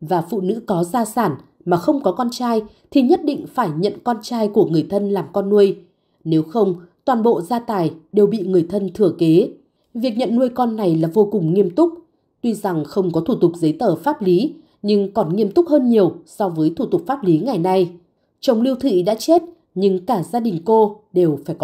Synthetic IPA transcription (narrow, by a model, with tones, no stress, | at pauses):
vaː˨˩fṵ˧˨nɨ̰˧˥kɔ˨˦zaː˧saː˧˩n | maː˨˩xə˧wŋ͡mkɔ˨˦kɔ˧nt͡ɕaː˧j | t̪ʰi˨˩ɲə˦˥t̚ɗḭ̈˧˨ŋ̟faː˧˩jɲə̰˧˨nkɔ˧nt͡ɕaː˧jku˧˩əŋɨ˨˩əjt̪ʰə˧nlaː˨˩mkɔ˧nːu˧əj | ne˨˦wxə˧wŋ͡mt̪waː˨˩nɓo̰˧˨zaː˧t̪aː˨˩jɗe˨˩wɓḭ˧˨ŋɨ˨˩əjt̪ʰə˧nt̪ʰɨ˧˩əke˨˦ | vi˨˩ək̚ɲə̰˧˨nːu˧əjkɔ˧nːa˨˩jlaː˨˩vo˧kʊ˨˩ŋ͡mŋi˧əmt̪ʊ˦˥k͡p̚ | t̪wi˧za˨˩ŋxə˧wŋ͡mkɔ˨˦t̪ʰu˧˩t̪ʊ˨˩k͡p̚zə˨˦jt̪əː˧˩faː˦˥p̚li˨˦ | ɲɨ˧ŋkɔ˨˩nŋi˧əmt̪ʊ˦˥k͡p̚həː˧nɲi˨˩əwsɔ˧vəː˨˦jt̪ʰu˧˩t̪ʊ˨˩k͡p̚faː˦˥p̚li˨˦ŋa˨˩jna˧j | t͡ɕə˨˩wŋ͡mli˧əwt̪ʰḭ˧˨ɗa̰ː˧˥t͡ɕe˦˥t̚ | ɲɨ˧ŋkaː˧˩zaː˧ɗï˨˩ŋ̟ko˧ɗe˨˩wfaː˧˩jk